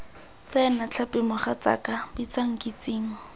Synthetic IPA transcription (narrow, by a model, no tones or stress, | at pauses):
t͡sɛnat͡ɬʰapʼɪmʊχat͡sa̰kʼabit͡saŋ̩kʼit͡siːŋ̩